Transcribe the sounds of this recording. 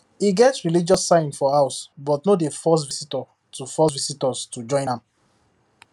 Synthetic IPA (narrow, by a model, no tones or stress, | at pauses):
iɡɛtsɹilid͡ʒɔsːãɪ̃nfɔhaʊsbɔtnodefɔs̬visitɔ | tufɔsvisitɔstud͡ʒɔ̃ɪ̃nãm